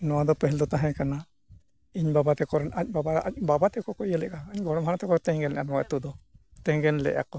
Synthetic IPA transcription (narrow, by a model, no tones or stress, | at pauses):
nɔwad̪ɔpɛɦɛld̪ɔt̪aɦɛ̃kana | iɲbabat̪ɛkɔɾac̚ˀbabaac̚babat̪ɛkɔkɔʔjəlɛʔaːɲɡɔɽ̃ɔmhanat̪ɛkɔɾt̪ɛ̃ɡɛnlɛ̰ʔanɔwaʔɛt̪ud̪ɔ | t̪ɛ̃ɡɛnlɛ̰ʔa̰kɔ